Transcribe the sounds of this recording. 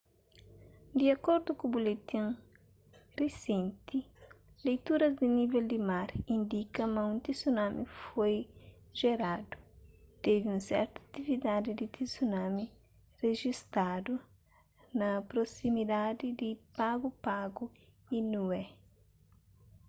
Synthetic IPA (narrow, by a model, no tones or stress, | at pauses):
d̪iɐkoɾd̪ukubulet̪ĩŋ | resẽnt̪i | lejt̪uɾɐzd̪inivɛld̪imaɾĩnd̪ikɐmɐũnt̪isunãmʔifoj | ʒ̥eɾad̪u̥t̪eviũnsɛ̰ɾt̪ɐt̪ivid̪ad̪id̪it̪ʰisunami | reʒist̪ad̪u | nɐpɾosimid̪ad̪id̪ipaɡupaɡu | inuɛ